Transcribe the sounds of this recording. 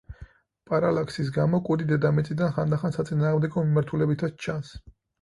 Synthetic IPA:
pʼaɾalakʰsisɡamɔkʼud̪id̪ɛd̪amɛt̪sʼid̪anχand̪aχansat̪sʼinaːʁmd̪ɛɡɔmimaɾt̪ʰulɛbit̪ʰast͡ʃʰãns

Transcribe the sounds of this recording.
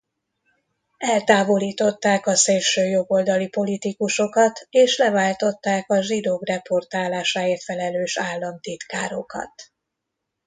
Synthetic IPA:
ɛlt̪aːvo̞liːt̪o̞t̪ːaːkɒseːlʃøːjo̞ɡo̞ld̪ɒlipo̞lit̪ikuʃo̞kɒt̪eːʃlɛvaːlt̪o̞t̪ːaːkɒʒid̪oːkrɛpo̞rt̪aːlaːʃaːeːrt̪fɛlɛløːʃaːlːɒmt̪it̪kaːɾo̞kɒ̰t̪

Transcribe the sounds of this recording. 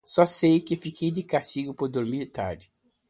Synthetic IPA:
sɔsejkɪfikejd̪ɪkast͡ʃiɡʊpʊɾd̪oɾmiɾt̪a̰ɾd͡ʒɪ

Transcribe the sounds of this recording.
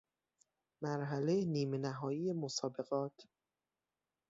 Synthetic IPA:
mæɾɦælejeniːmenæɦɒːjiːjemosɒːbe̞ɣɒːt̪ʰ

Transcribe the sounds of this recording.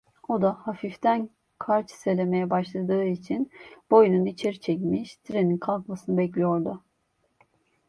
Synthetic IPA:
o̞d̪ahafift̪ʰæn | kʰaɾt͡ʃʰselʲe̞me̞jɛbaʃlˠad̪ɯːit͡ʃʰinb̥o̞jununit͡ʃʰeɾit͡ʃʰɛc̬miʃt̪ʰiɾe̞ninkʰalˠkmasɯnɯbɛclʲijo̞ɾd̪ʊ

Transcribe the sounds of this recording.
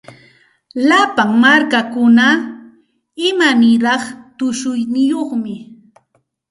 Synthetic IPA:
lapaŋmaɾkakʊna | ɪmanɪɾɑχt̪ʊʃʊjnɪjoχmɪ

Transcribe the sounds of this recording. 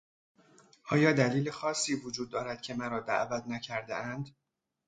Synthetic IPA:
ʔɒːjɒːd̪æliːlexɒːsːiːvod͡ʒuːd̪̚ːɒːɾæd̪̥̚cʰe̞mæɾɒːd̪æ̰ʔvæt̪ʰnæcʰæɾd̪eænd̪

